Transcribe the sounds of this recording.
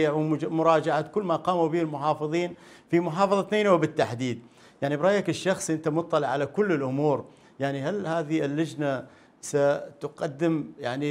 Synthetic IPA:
ɪʕwmʊɾˤɑːd͡ʒaʕat̪kʊlːmaqɑːmubiːhɪlmʊħɑːfɨðˤiːn | fimʊħɑːfɑðˤɑt̪neːnawbɪt̪ːaħd̪iːd̪̚ | jaʕnibɾˤɑːjakɪʃːɑxsˤʔɪnt̪amʊt̪ˤːɑlɪʕːalakʊlːɪlʔʊmuːɾ | jaʕnihalhaːðiɪlːad͡ʒna | sat̪ʊqɑd̪ːɪmjaʕni

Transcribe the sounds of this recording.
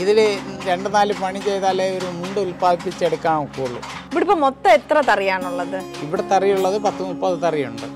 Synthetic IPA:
iðileɾe̞ɳɖɨnaːlɨpɐɳit͡ɕejt̪aːleoɾumuɳɖulpaːðipːit͡ɕːe̞ɽukːaːmukːuːɭːṵ | iʋiɽipːoːmot̪ːɐet̪ːrɐt̪ɐrijaːɳuɭːɐðɨiʋiɽet̪ɐrijuɭːɐðɨpɐt̪ːumupːɐðɨt̪ɐrijuɳɖɨ

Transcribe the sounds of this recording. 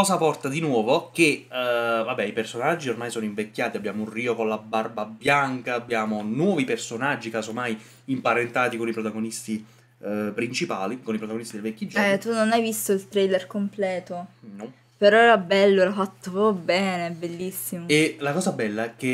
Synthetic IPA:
ɔːzapɔrt̪ad̪inwɔːvok̟e | vabːɛipersonad͡ʒːiormaːjsɔːnoiɱvekʲːjaːt̪iabːjaːmounriːokonlabarbabjaŋkaːbːjaːmonwɔːvipersonad͡ʒːikaːzomaj | impaɾent̪aːt̪ikonipɾot̪aɡonist̪i | pɾint͡ʃipaːlikonipɾot̪aɡonist̪id̪elvɛkʲːid͡ʒɛt̪unonajvist̪oilt̪ɾejlerkomplɛːt̪onɔ | peɾɔɛːɾabɛlːoɛɾafat̪ːobɛːnebelːisːimoelakɔːzabɛlːaɛkːe

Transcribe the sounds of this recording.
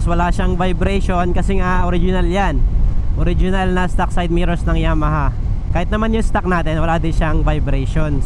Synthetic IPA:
swɐlaʃaŋvɐjbɾɛjʃo̞nkɐsɛŋaʔoɾɪd͡ʒɪnɐljanʔoɾɪd͡ʒɪnɐlnɐst̪ak̚sajd̪̚miɾosnɐŋjamɐɦa | kaːhɪt̪nɐmanjʊŋst̪ak̚naːt̪ɛnwɐlaːd̪ɪnʃaŋvɐjbɾɛjʃon

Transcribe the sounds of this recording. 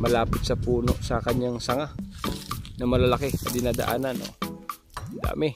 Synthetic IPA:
mɐlaːpɪt̪̚sɐpuːno̞̰ʔsɐkɐɲaŋsɐŋa | nɐmɐlalɐkɛsɐd̪ɪnaːd̪ɐ̰ʔaːnanʔo̞̰ | d̪a̰ːmɪ

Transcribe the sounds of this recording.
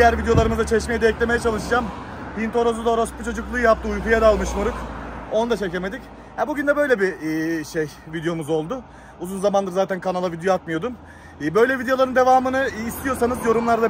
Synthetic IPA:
d̪ijæɾvid̪ejo̞lˠaɾɯmɯzat͡ʃʰeʃmejɛd̪eɛclʲeme̞jɛt͡ʃʰalˠɯʃɯd͡ʒam | pint̪o̞ɾozud̪aoɾosput͡ʃʰo̞d͡ʒuklˠɯjɯjap̚t̪ʰɯujkujad̪alˠmɯʃmuɾuko̞nud̪at͡ʃʰe̞ceme̞d̪ic | hɛbuɟynd̪ɛbø̞jlʲebiːʃejvid̪ejo̞muzo̞lˠd̪ʊ | uzunzamand̪ɯɾzaːt̪ʰænkʰanalˠavid̪ejoat̪mɯjo̞d̪umː | bø̞jlʲɛvid̪eolˠaɾɯnd̪evaːmɯnɯːst̪ʰijo̞sanɯzjo̞ɾumlˠaɾd̪a

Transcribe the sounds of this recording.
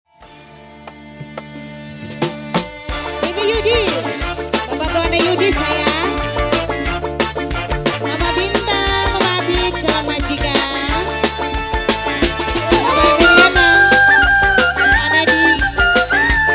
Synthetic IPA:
timijudi | bapat̪uanajudisaja | namabint̪aməmabi̥d͡ʒawanmad͡ʒika | atabinana | anadi

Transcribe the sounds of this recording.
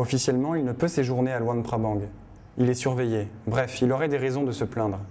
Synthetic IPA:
ɔfisjɛlmɑ̃ilnəpøseʒuʁnealwɑ̃npχabɑ̃ɡ | ilɛsyʁvejebʁɛfilɔʁɛd̪eʁezɔ̃d̪əsəplɛ̃d̪ʁ

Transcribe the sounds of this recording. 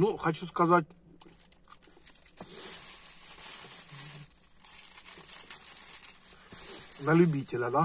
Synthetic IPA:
nuxɐt͡ɕuskɐzat̚ʲ | nɐlʲʊbʲitʲɪlʲɐd̪a

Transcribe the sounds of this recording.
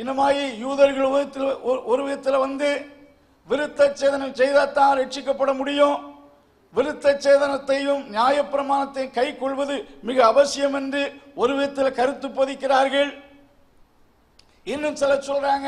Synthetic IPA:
ɪnɯmaːjijuːðɐɾɣɐɭ | ɔɾɯʋɪðɐt̪ːɪlɛʋɐnd̪ɯ | ʋɪɾɯt̪ːɐt͡ʃːeːðɐnɐɪsɛjðat̪ːãːɾɛʈt͡ʃːɪkːɐpːɐɽɐmʊɽɪjõ | ʋɪɾɯt̪ːɐt͡ʃːeːðɐnɐt̪ːɐjɯmnjaːjɐpːɪɾɐmaːnɐt̪ːɐɪkɐɪkːɔɭʋɐðɯmɪɣɐːʋɐsɪjɐmɛndrɯɔɾɯʋɪðɐt̪ːɪlkɐɾɯt̪ːɯpːoːðɪkːɪraːɾɣɐɭ | ɪnːɯmsɪlɐsɔlraːŋɡɐ

